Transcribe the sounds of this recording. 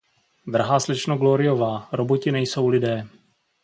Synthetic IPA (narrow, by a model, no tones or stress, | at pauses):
d̪ɾaɦaːslɪt͡ʃnoɡloɾɪovaːɾobocɪnɛjso̞wlɪdɛː